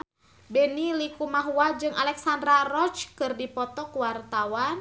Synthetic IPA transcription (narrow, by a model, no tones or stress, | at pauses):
bɛnilikumaɦuad͡ʒɨŋalɛksandɾarɔt͡ʃkɨrdipɔt̪ɔkuwart̪awan